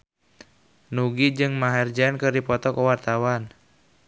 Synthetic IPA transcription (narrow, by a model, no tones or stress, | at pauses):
nuɡid͡ʒɨŋmaɦɛrd͡ʒankɨrdipɔt̪ɔkəwart̪awan